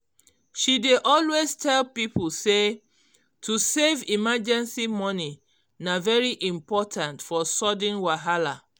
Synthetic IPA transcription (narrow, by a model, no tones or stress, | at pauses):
ʃideʔɔlweztʰɛlpipʰolse | tʰusevimad͡ʒɛ̃nsimɔni | navɛɹiʔĩmpɔtʰãntfɔsɔdĩnwaɦala